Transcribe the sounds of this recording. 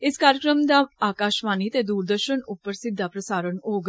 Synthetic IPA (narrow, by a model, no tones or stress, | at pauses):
ɪskaːɾjəkɾəmd̪aːaːkaːʃmaːniːt̪eːd̪uːɾd̪əɾʃənʊpːəɾsɪd̪ːaːpɾəsaːɾənoːɡ